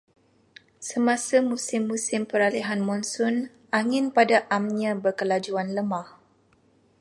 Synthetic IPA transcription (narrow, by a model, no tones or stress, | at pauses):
səmãsamusɪmːũsɪmpəɾaliɦanmɔnsɔn | aŋɪ̃npadaʔamɲãbərkəlad͡ʒuanləmãh